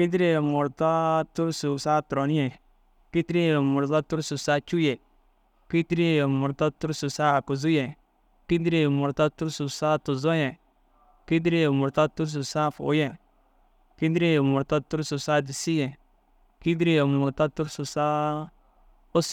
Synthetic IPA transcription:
ki˦di˦ɾi˦˨mʊ˨ɾta˦tu˦ɾsu˨sa˦tɾo˨n˦ɛ˨ | ki˦ti˦ɾi˦˨mʊ˨ɾta˦tu˦ɾsu˨sa˦t͡ʃu˦jɛ˨ | ki˦ti˦ɾi˦˨mʊ˨ɾta˦tu˦ɾsu˨sa˦˨ku˨zu˦jɛ˨ | ki˦di˦ɾi˦˨mʊ˨ɾta˦tu˦ɾsu˨sa˦tu˨zɔ˦jɛ˨ | ki˦di˦ɾi˦˨mʊ˨ɾta˦tu˦ɾs̬u˨sa˦˨fo̰˨˦jɛ˨ | ki˦dɾi˦˨mʊ˨ɾta˦tu˦ɾsu˨sa˦di˨si˦jɛ˨ | ki˦di˦ɾi˦˨mʊ˨ɾta˦tu˦ɾsu˨sa˦ | o˦s

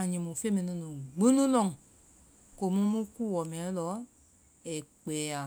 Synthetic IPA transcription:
a˨ɲĩ˨mũ˨fe˦mĩ˨nũ˧˦nũ˨ɡ͡bẽ˦nũ˦lɔ̃˦˨ŋ˨ | ko˨mũ˦mũ˦ku˦˨wɔ˨mɛ̃˨˦lɔ˨˦ | ɛ˨k͡pɛ˨˦a˨

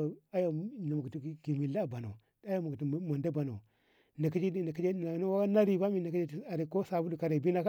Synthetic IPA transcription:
a˦ja˨na˨mu˨kti˨ɡi˨mi˨la˦˨ba˨no̰˨˦ | a˦ja˦˨mu˨kti˨ma˨nda˦ba˨no̰˨ | na˨ki˦d͡ʒi˦na˨ki˦d͡ʒe˦˨a˨no˦wa˦a˦na˦ɾi˦ba˦mi˦na˨ka˦d͡ʒe˦˨a˨ɾi˨ko˦sa˨bu˦lu˨ka˨ɾe˨bi˦na˦k

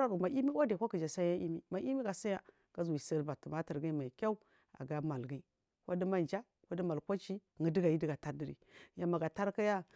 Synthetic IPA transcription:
ɾa˦ɾu˨ma˨ʔi˦mi˦wa˦da˨kʷa˦ki˨d͡ʒa˨sa˦ja˦ʔi˦mi˦ma˨ʔi˦mi˦ɡa˨sa˦ja˨ | ɡ̥a˦zu˨i˨sə˦lba˨tu˨ma˦ti˨ɾɡi˦ma˨kʲa˦u˦ | a̰˨ɡa˦ma˨lɡi˦ | ka˦di˦ma˦nd͡ʒa˦ | kʷa˦di˦ma˨lkʷa˦t͡ʃi˦ | ŋə˨di˦ɡa˨ji˦di˦ɡa˨ta˦di˨ɾḭ˨ja˨ma˨ɡa˨ta˦ɾka˦ja˦

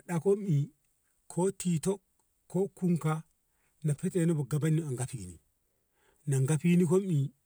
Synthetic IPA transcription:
ɗa˨ko˦mi˨ | kʰo˦ti˨to˦k | kːo˦ku˦ŋka˦ | na˨pi˦t͡ʃʼe˦˨nu˦bu˨ɡa˨ba˦ni˦a˨ŋɡa˦pi˨nḭ˨ | na˨ŋɡa˦pi˦ni˦ko˦mi˨

